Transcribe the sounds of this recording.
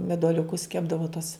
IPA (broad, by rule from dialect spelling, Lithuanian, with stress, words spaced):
mʲɛduɔlʲʊˈkʊs ˈkʲæːbdɐʋoː tʊs